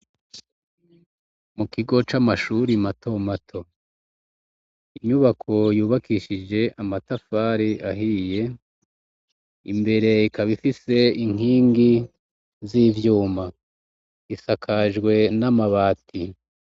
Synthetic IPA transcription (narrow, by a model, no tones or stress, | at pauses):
mukiɡo̞t͡ʃamaʃuɾimatʰo̞matʰo̞ | iɲuβakʰo̞juːβakiʃid͡ʒe̞ʔamatafaɾiaɦije̞ | ḭmbe̞ɾe̞ikaβifise̞iŋ̥iːŋɡi | ziːvjuːma | isakʰaʒɡwe̞namaβaːtʰi